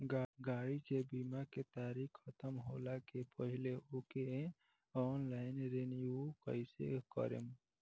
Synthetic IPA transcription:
ɡaɽikebimaket̪aɾikʰːət̪əmɦolakepəɦileoke | ɔnlaɪnɾenijukəɪsḛkə̰ɾḛm

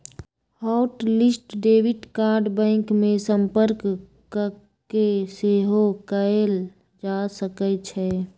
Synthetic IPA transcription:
haʊʈlɪsʈɖeːwɪʈkaːɾɖbɛ̃ɪŋkmẽsə̃mpəɾk | keseɦokəel | d͡ʒasəkət͡ʃʰɛ

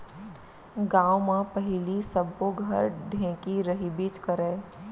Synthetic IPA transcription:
ɡãːomãpɐɦɪlisəb̚koɡʱəɾɖʱẽːkiɾɐɦibiːt͡ʃkəɾẽː

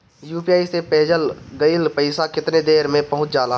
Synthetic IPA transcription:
juːpijaːisepeːd͡ʒəlɡəɪlpəɪsakɪt̪ned̪eːɾmẽpɐɦʊ̃t͡ʃd͡ʒaːlaː

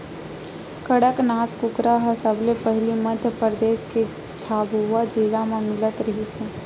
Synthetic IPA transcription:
kəɽəknaːt̪kʊkɾaɦəsəblepəɦliməd̪ʱjəpəɾd̪eːʃke | t͡ʃʰaːbuad͡ʒiːlamãmɪlət̪ɾɐɦisɛ

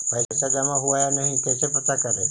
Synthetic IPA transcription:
pajt͡saɡ̪amaɦuajanaɦĩt̪jat͡sepət̪akəɾe

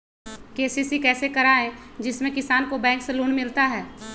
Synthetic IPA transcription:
keːsisikɛːsekɐɾaːẽd͡ʒɪsmẽkɪsaːnkobɛ̃ːŋkseluːnmɪlt̪aɦɛː

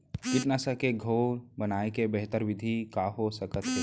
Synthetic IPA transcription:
kɪt̪nasəkeɡʱoːɾbənaːekebəɦt̪əɾʋɪd̪ʱikaːɦosəkət̪ɦe

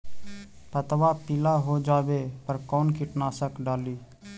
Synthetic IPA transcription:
pət̪ʋaːpɪlaːɦoːd͡ʒaːʋeːpəɾkɔːnkɪʈnaːsəkɖaːliː

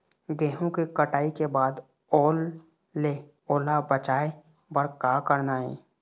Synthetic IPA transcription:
ɡẽːɦõkikəʈaːikebaːd̪ | oːlː | e | oːlabət͡ʃaːe | bəɾkaːkəɾnaːɦɛ̰̃ː

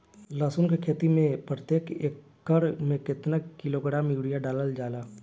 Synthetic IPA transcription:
laːsʊnkekʰeːt̪imẽpɾət̪eːkeːkːəɾmẽkɪt̪nakːɪloːɡɽaːmjuːɽijaɖaːləld͡ʒaːlaː

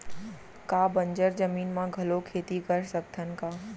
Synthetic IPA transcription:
kaːbə̃ɲd͡ʒəɾzəmiːnmãɡʱɐlokʰeːt̪ikɐɾsək̚t̪ʰənkaː

